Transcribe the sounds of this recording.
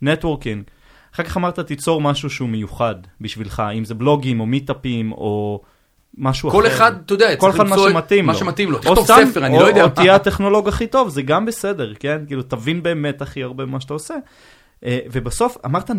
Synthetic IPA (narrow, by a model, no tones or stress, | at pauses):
net̪woʁkiŋɡ | aχekaχamaʁt̪at̪it͡so̞ʁmaʃuʃeumejuχad̪biʃvilχaimzeblo̞ɡimo̞mit̪apimo | maʃuakoleχad̪̚t̪ːojd̪eakolead̪maʃʃumat̪imlmaoʃemat̪imlotiχoot̪aefeʁaniojodeot̪ijat̪eχno̞lo̞ɡiaχit̪o̞vzeɡambese̞de̞ʁkenkiːlut̪avinbe̞ːme̞t̪aχiaʁbemaʃt̪aose̞ | ʔevebaso̞fa̰maʁt̪a